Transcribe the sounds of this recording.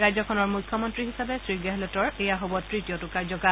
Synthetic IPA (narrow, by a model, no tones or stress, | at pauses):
ɹajzɔkʰɔnɔɹmujkʰːɔmɔntɹiɦisabɛsɹiɡɛɦlɔtɔɹejaɦobɔtɹitijɔtʊkaɹzɔka